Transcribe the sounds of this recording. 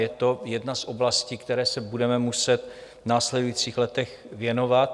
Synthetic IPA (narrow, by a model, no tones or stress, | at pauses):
jɛt̪o̞jɛdnasʔo̞blasciːkt̪ɛɾɛːsɛbudɛmɛmusɛt̪ | naːslɛdujiːt͡siːxlɛt̪ɛx | vjɛno̞vat̪